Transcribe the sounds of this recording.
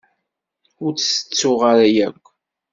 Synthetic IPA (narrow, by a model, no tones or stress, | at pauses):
ʊɾt͡sːsə̥t͡sːʊʁaɾæjækʷː